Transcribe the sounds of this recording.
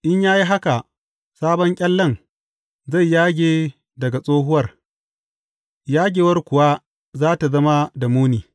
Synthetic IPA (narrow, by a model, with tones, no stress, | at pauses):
ʔɪ˦ɲjaː˦ji˦ɦa˦ka˨ | saː˦bɔ˦ŋkʲʼɐ˦lːɐ˦˨n | za˦˨jːaː˦ɡʲeː˨ | dɐ˨ɡa˨sʼoː˦ɦʊ˦wɐ˦r | jaː˦ɡʲeː˨wɐ˦rkʷʊ˨wa˦ | zaː˦ta˨zɐ˦ma˦da˨muː˦niː˨